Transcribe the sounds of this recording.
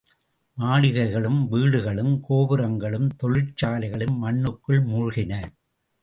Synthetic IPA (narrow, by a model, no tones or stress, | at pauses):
maːɭɪɣɐɪɣɐɭɯmʋiːɽɯɣɐɭɯmkoːʋɯɾɐŋɡɐɭɯmt̪ɔɻɪʈt͡ʃaːlɐɪɣɐɭɯmːɐɳːɯkːɯɭmuːɻʊɣɪnɐ